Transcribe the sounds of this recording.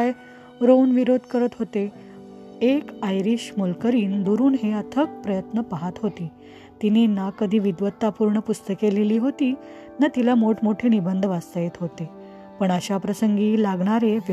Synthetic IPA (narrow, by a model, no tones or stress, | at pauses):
aj | ɾonʋiɾod̪ʱkəɾət̪ɦot̪e | ekajɾiɕmolkəɾiːnd̪oɾuːnɦeət̪ʰək̚pɾəjət̪nəpaɦat̪ɦot̪iː | t̪ininakəd̪ʱiːʋid̪ʋət̪ːapuɾɳəpust̪əkeleliːɦot̪iː | nat̪ilamoʈʰmoʈʰenibənd̪ʱʋast̪əjet̪ɦot̪e | pəɳəɕapɾəsəŋɡiːlaɡɳ̃aɾeʋ